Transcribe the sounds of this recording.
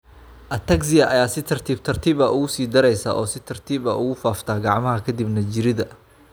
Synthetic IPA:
ʔɐt̪ʰɐɡsɪjɐʔɐjaːsɪt̪ʰɐrt̪ʰiːbt̪ʰɐrt̪ʰiːβɐʔʊɣʊsiːd̪ɐɾɛjsa̰ːʔɔːsɪt̪ʰɐrt̪ʰiːbɐʔʊɣʊfaːft̪ʰaːɡɑʕmɐɦɐkʰɐd̪ibnɐd͡ʒɪɾɪðɐ

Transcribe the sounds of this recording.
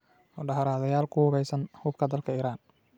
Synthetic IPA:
mɔɖɑħɐɾaːðɐjaːlkʰʊhʊβɛjsɐnhuːb̚kʰɐd̪ɐlkʰɐiːɾaːn

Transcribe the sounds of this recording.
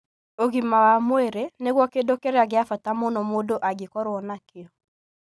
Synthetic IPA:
oɣimawamweɾeneɣwɔkedokeɾeaɣɪafatamonɔmodoʔaɡekɔɾwɔnakɪɔ

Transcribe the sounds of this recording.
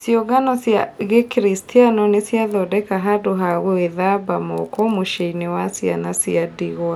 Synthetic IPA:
sjoɡanɔsjaɣekɾistʰianɔnesijaðɔdɛkaɦadoɦaɣoeðabamɔ̰kɔmoʃeinewasia̰nasiadiɣɔa

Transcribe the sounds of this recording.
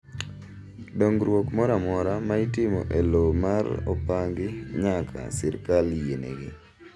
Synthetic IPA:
doŋɡɾwokmɔɾamɔɾamaitɪmo̰ʔelomaɾo̰paŋɡɪɲakʰa̰sɪɾkaljenḛɡɪ

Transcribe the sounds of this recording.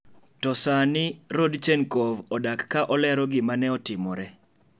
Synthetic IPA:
tɔsanɪɾodt͡ʃɛnkovɔdakːaʔɔlɛɾɔɡɪmanɛɔtɪmɔɾɛ

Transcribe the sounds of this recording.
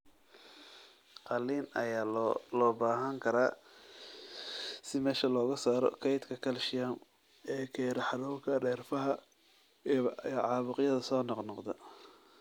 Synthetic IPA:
qɑliːnɐ̰jaːlɔːbaːɦɐŋkʰɐɾaː | sɪmɛːʃɐlɔːɣɐsaːɾɔ̰kʰɛjt̪kʰɐkʰɐlʃɪjam | ɛːkʰɛːɾɐħɑɾuːkʰɐɖɛːrfɐɦɐ | jʕɑːβʊqjɐðɐsɔːnɑqnɔqd̪ɐ

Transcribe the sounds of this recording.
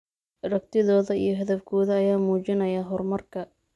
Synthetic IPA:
rɐk̚t̪ʰɪðɔːðɐijɞɦɐðɐfkʰɔːðɐːjaːmuːt͡ʃɪnɐjaɦɔrmɐrkʰɐ

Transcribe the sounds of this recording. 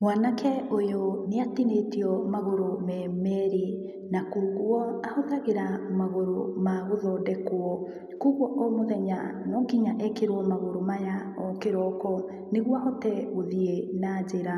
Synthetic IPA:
mwaːnakʰɛojoneatinetiɔmaɣoɾomɛːmɛɾi | nakoːɣwɔahɔðaɣeɾamaɣoɾomaɣoðɔːdɛkwɔ | koɣwɔʔɔmoðɛɲanɔːɡiɲaʔɛkeɾwɔmaɣoɾomaja | ɔkeɾɔkɔ | neɣwahɔtɛɣoðienaːd͡ʑeɾa

